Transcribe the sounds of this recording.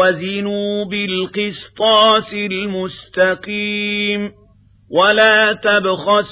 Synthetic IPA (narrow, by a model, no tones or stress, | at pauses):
azɪnuːbɪlqɨst̪ˤɑːsɪlmʊst̪aqiːm | walaːt̪abxas